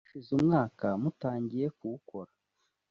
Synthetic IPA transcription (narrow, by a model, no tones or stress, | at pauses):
ʃizumŋaːkamutaːɲɟiɾe̞kuwuko̞ɾa